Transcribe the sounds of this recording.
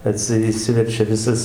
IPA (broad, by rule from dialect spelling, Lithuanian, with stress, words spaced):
ɐˈtʲsʲɪ ɪˈʃʲsʲɪʋʲɛrʲt͡ʃʲɛ ˈʋʲɪsɐs